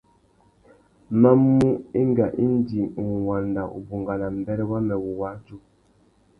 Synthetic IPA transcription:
ma˦mːu˦i˦ŋ˦ɡa˨ʔi˦n˦di˨ŋ̩˨wa˨nda˨ʔṵ˨bu˨ŋɡa˨na˨m̩˨bɛ˦ɾɛ˦wa˦mɛ˨wu˨wa˦d͡ʒu˦

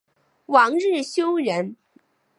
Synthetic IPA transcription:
wɑ˧˥ŋɻɻ̩˥˩ɕjo˥ʊɻə˧˥n

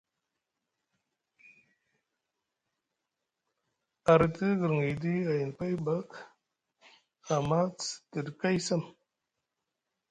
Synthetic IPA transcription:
a˨ɾə˨tə˦ɡə˨ɾŋə˨di˦a˨ji˨n˨pa˦jba˦k | a˨ma˦t͡stə˨dka˦jsa˦˨m

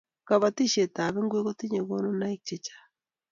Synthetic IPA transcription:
ka˨βa˨ti˦ʃe˨ta˨βe˦ŋɡwe˦ɣo˦ti˦ɲe˨ɣo˦no˦na˦i˦k̚t͡ʃe˦t͡ʃḁ˦

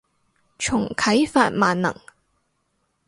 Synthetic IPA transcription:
t͡ʃʰʊ˨˩ŋkʰɐ˨˥jfaː˧t̚maː˨nnɐ̰˨˩ŋ

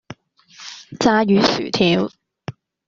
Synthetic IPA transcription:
t͡saː˧˥jyː˨˥sy̰ː˨˩t̪ʰiː˨˧˥w

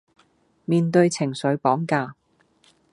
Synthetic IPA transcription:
miː˧nt̪ɵ˧ɥjt͡sʰɪ˨˩ŋsɵ˨˥ɥpɔː˨˥ŋkaː˧

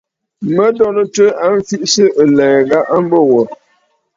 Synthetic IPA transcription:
mə˦dɔ˦nə˦tə˦a˦n˦fi˦ʔsə˦ʔə˨lɛ˨ɣa˦ʔa˦m̩˦bə˦wɔ˨

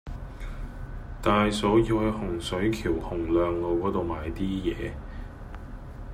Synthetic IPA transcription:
t̪aː˨jsɔː˨˥jiː˧whɐ˨˧jhʊ˨˩ŋsɵ˨˥ɥkʰiː˨˩whʊ˨˩ŋlœː˨ŋlo˨˧wkɔː˨˥t̪o˨wmaː˨jt̪iː˥jɛ̰ː˨˧

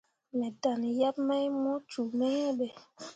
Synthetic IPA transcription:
mɛ˨da˨n˨ja˦pma˦jmɔ˦tu˨mɛ˦jɛ˦ɓɛ˨

